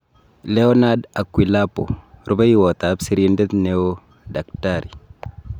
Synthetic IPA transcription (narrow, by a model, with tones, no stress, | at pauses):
lɛɔ˦na˦da˨kwi˨lapo̰˨ɾu˦ba˦i˦wɔ˨t̪absiɾinde˦t̪neo˦ | da˨k̚taɾi˨